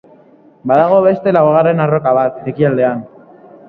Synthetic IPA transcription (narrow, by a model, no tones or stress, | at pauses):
baðaɣ̞o̞βe̞st̪e̞lawɣare̞naro̞kaβ̞at̪̚ekiald̪e̞an